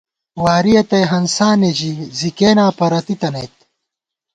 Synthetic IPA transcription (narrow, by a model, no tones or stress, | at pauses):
waːɾijɐt̪ɐjɦɐnsaːned͡ʑizikeːnaːpɐɾɐt̪it̪ɐnejt̪̚